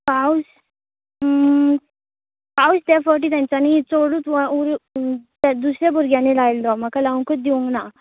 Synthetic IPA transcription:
kaus | kaust̪jafəʈ̬iːt̪jãɲt͡ɕanit͡soɽut̪ʋauɾt̪ad̪usɾjabuɾɡjanelajld̪ɔamakalaʋŋkət̪̚d̪iũŋɡna

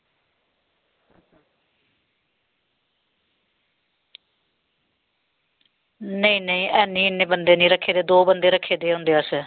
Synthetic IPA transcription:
nəĩːnəĩːʔɛːnĩːɪnːeːbənd̪eːnĩːɾəkʰːeːd̪eːd̪oːbənd̪eːɾəkʰːeːd̪eːɦʊ̃nd̪eːəs

